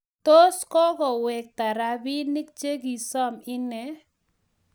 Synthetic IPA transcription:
t̪o˦skɔ˦ɡɔ˨wɛ˨k̚t̪a˨ɾa˨bi˦ni˦k̚t͡ʃe˦ɡi˨sɔ˦mɪ˦nɛ˨

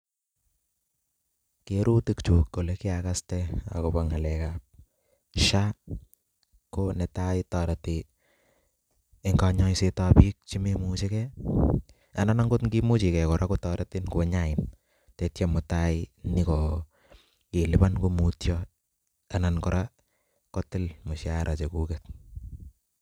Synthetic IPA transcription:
keɾu˦tikt͡ʃu˨kːo˨le˦ki˦aka˦stɛa̰ko˨ba˦ŋa˨lɛka˨p̚ | ʃa | kone˨tai˦tɔ˨ɾati | e˨ŋɡa˧ɲɔ˦isetapi˦k̚t͡ʃi˦me˦mut͡ʃekɛ | a˨nana˦ŋɡo˦tŋɡi˦mu˦t͡ʃi˨kɛ˨kɔ˨ɾʔa˦kotɔɾatɪ˦nkua˦ɲaɪn | tɛ˨tjamʊ˨taɪnɪkɔ˨ | ke˨lɪba˦nko˦mutjɔ | ana˨nkɔɾa | kɔtɪ˦lmʊ˨ʃjaɾʔa˨t͡ʃe˨ku˦kɛt̚

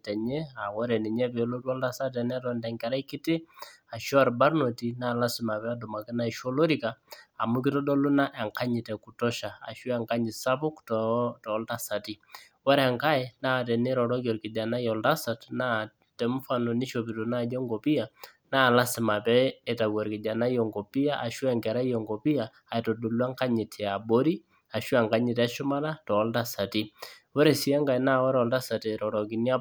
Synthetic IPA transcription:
tɛ˨ɲɛ˦a˨wɔ˦ɾɛ˨ni˨ɲɛ˦pɛ˨˦lo˦tɔ˦lda˦sa˦tɛ˨nɛ˦tɔndɛ˨ŋkɛ˨ɾa˦kɪ˦tɪ˦ | a˨ʃɔ˦a˨ɾba˦ɾno˨ti˨na˦˨la˦sɪ˨ma˨pɛ˦a˦dɔ˨ma˨kɪ˦na˦iʃɔ˦lo˦ɾi˨kaː˨mu˦kɪ˦tɔ˦dɔ˦lu˦na˦ʔɛ˨ŋka˦ɲɪ˨tɛ˨ku˨tɔ˦ʃa˨a̰˨ʃu˦a˨ŋka˦ɲi˨sa˦bʊ˦ktɔtɔ˨˦lda˦sa˨ti˦ | wɔ˦ɾa˨ŋka˦ɛ˨na˦˨tɛ˨ni˦ɾɔ˨ɾɔ˦k̬ɔ˨ɾki˨da˨na˦jɔ˨lda˦sa˨tna˦ | tɛ˨˦m˦fa˦nɔ˨ni˦ʃo˨bi˨tu˨na˦jɔ˦ŋɡɔ˨pi˦a˨ | na˦˨la˦sɪ˨ma˨pɛ˦e˨ta˨wɔ˨ɾkɪ˨d͡ʒa˨na˦jɔ˨ŋɡo˨pi˦a˦ʔa˨ʃwɛ˦ŋɡɛ˨ɾa˦jɔ˨ŋɡo˨pi˦a˨ | a˨to˨du˨lwa˦ŋka˦ɲɪ˨tʰɛ˨a˨bo˦ɾi˦ | a˨ʃwa˨ŋɡa˦ɲɪ˨tɛ˦ʃʊ˦ma˦na˦tɔ˨˦lta˦sa˨ti˦wɔ˦ɾe˨si˨ɛ˦ŋɡa˨jna˦wɔ˦ɾɔ˨lta˦sa˨ti˨ɾɔ˨ɾɔ˨ki˨ni˦a˦

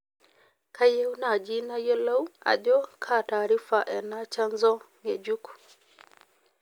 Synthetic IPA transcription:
kʰa˦je˦u˦na˨d͡ʒi˦na˦jɔ˦la˦wa̰˨ʄɔ˦kʰa˦˨taː˨ɾi˦fa˨ʔɛ˨na˦t͡ʃa˦nzɔ˦ŋɛ˨d͡ʒu˦ku̥

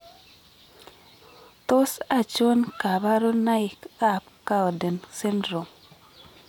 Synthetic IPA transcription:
to˦sa˦˨t͡ʃo˦nka˨ba˦ɾo˦na˦ɪ˨ka˦˨p̚ka˦ɔ˨de˨nse˦ndɾo˨m

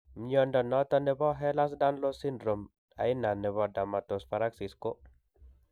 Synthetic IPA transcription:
m˦ɔ˦ndɔ˨nɔ˦t̪ɔ˦nɛ˦bɔ˦ɦɛ˦la˦s̬da˦nlo˦si˦ndɾo˨m | a̰˨i˦na˨nɛ˨βɔ˨da˨ma˨to˨sfa˨ɾa˦ksi˨sko˦

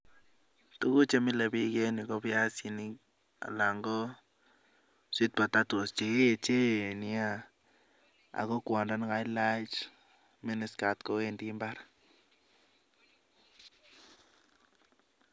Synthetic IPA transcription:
t̪u˦ɡu˦t͡ʃe˦mi˦la˧bi˦ɡe˦ni˨ɡo˦bja˦si˧ni˦ | a̰˨la˨ŋɡo˦ | sʷi˦t̪̚ba˨t̪a˦t̪o˨st͡ʃi˨˦˨t͡ʃe˦ni˧a˦ | a̰˨ɣo˦kʷa˨nɾa˦n˦ɡa˦jla˦jt͡ʃ | mi˦ni˧ska˨t̪ko˦we˦˧nd̪i˦mba˦ɾ

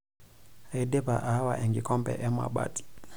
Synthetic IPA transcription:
a˨i˨dɛ˦pa˨ʔa˨ha˦wa˨ʔɛ˨ŋɡi˨kɔ˦mbɛ̰˨ʔɛ˦mwa̰˨ɓa̰˦ti̥˨

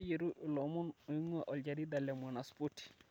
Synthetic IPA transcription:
je˨ɾu˦ʔlɔ˨mu˦no˨i˦ŋwa˦ʔɔ˨ld͡ʒa˨ɾi˦d̪a˨lɛ˨m˨a˨na˨spu˦ti̥˨

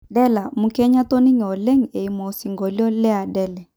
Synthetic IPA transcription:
dɛ˦la˨mu˨kɛ˦ɲa˦tɔ˦ni˦ŋ˨ɔ˨lɛ˦ŋe˨i˨mɔ˨si˨ŋɡɔ˨ljɔ˦lɛ˦a˨dɛ˦lɛ˨

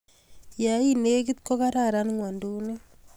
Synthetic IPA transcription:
ja˨ine˦k̬ɪ˦t̪ko˦ka˦ɾa˦˨ɾa˦nŋwa˨ndu˦ne˦

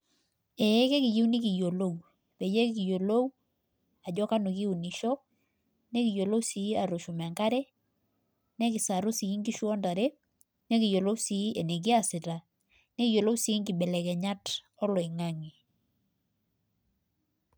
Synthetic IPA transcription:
ɛ˨˦kɛ˦ki˨ji˦wni˦ki˨jo˨lo˦w | pɛ˨jɛ˦kki˨jo˨lo˦w | a˨d͡ʒɔ˦ka˦nu˨ki˦u˨ni˨ʃɔ˦ | nɛ˦ki˨jo˨lo˦wsi˨˦a˨ɾo˨ʃu˨mɛ˨ŋka˦ɾɛ˦ | nɛ˦ki˨sa˨ɾu˦si˨i˦ŋɡi˦ʃwɔ˦nda˨ɾɛ˦ | nɛ˦ki˨jo˨lo˦wsi˨˦ɛ˨ne˨k̬i˦a˨sɪ˨ta˨ | nɛ˦ki˨jo˨lo˦wsi˨˦ŋɡi˨bɛ˨lɛ˨kɛ˨ɲa˦t | ɔ˦lɔ˨i˨ŋa˦ŋi˨

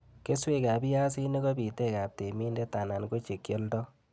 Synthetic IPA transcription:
ke˦swe˦˨ka˨bi˦ja˦s̬i˦ni˦ɡɔ˦bi˨te˦˨ka˨p̚te˨mi˦nde˦ta˨na˨nko˦t͡ʃe˨kjɔ˦ltɔ˦

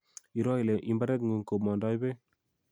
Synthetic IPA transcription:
i˨ɾɔ˦i˨le˨ʔi˦mba˦ɾe˦t̪ŋɡu˨ŋko˨pmɔ˨nda˦i˦be˦

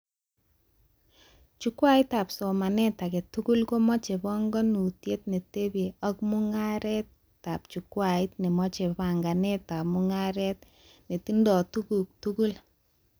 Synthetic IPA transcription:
t͡ʃu˦kwa˦ɪ˦ta˨pso˨ma˨nɛ˦ta˨kɛ˨tu˦ku˦lko˦mɔ˦t͡ʃe˨bɔ˦ŋɡɔ˦nu˨tje˦tne˨te˦be˨ɔ˦kmʊ˦ŋa˦ɾɛ˦tː | a˨p̚t͡ʃu˨kwa˨ɪ˦t̚nɪ˨mɔ˦t͡ʃe˨pa˨ŋɡa˨ne˦ta˨mʊ˦ŋa˦ɾɛ˦t̚ | ne˨ti˦ndɔ˨tu˦ɡu˨k̚tu˦ɡu˦l

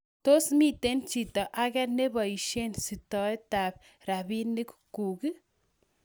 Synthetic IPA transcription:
to˦smi˦te˦nt͡ʃi˨tɔ˨ʔa˦kɛne˦bɔ˨i˨ʃe˦nsi˨tɔeta˨p̚ | ra˨bi˦ni˦kku˨ki˦

